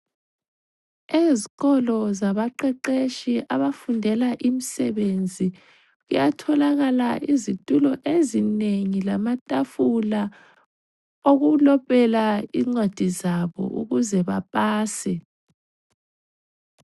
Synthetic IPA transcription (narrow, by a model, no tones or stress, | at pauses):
eziɣɔlɔzaβaǃɛǃeʃiʔaβafundʱɛlaʔimisɛβend͡zʱi | ɣujatʰɔlaɣalaʔizitʼulɔʔezineŋilamatʼafula | oɣulɔpʼɛlaiŋ͡ǀed̥ʱizaβɔ̰ʔṵɣuzɛβapʼaːsɛ